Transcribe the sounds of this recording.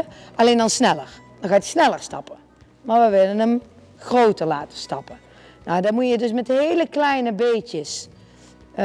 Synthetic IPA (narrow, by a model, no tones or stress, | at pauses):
ʔɑlejndɑnsnɛləɹ | d̥ɑnxaːəsnɛləɹstɑ̰pə | maːɹʋəʋɪlənəm | χrowtəɹlaːtə̥stɑpə | nawdɑmujədɵs̬mɛtɦejləklɛjnəbejtəs